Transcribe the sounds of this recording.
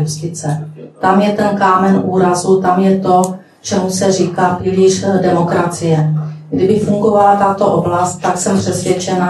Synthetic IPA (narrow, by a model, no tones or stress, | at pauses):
ust̪ɪt͡sɛt̪amjɛt̪ɛnkaːmɛnʔuːɾazut̪amjɛt̪o̞ | t͡ʃɛmusɛriːkaːpriːliʃdɛmo̞kɾat͡sɪjɛɡdɪbɪfuŋɡo̞valat̪at̪o̞ʔoblast̪̚t̪ːaksɛmpr̥ɛsvjɛt͡ʃɛna